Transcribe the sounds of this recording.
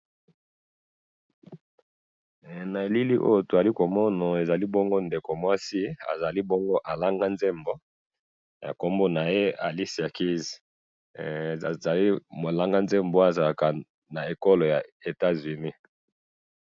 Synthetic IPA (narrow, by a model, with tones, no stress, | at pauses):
na˨e˨li˦li˦ʔo̰˦jo˦˨to˨a˨li˦ko˨mɔ˦na˨e˨za˨li˦bo˦ŋɡo˦nde˨ko˨mwa˦si˦a̰˨za˨li˦bo˦ŋɡo˦ʔa˨la˦ŋɡa˦nze˦mbo˦ | ja̰˨ko˦mbo˦na˨je˦a˨li˦si˨a˨ki˦zi˨ | za˨li˦mo˨la˦ŋɡa˦nze˦mbo˦a˨za˨la˨ka˨ | na˨e˨ko˦lo˨ja˨e˨ta˦zy˨ni˦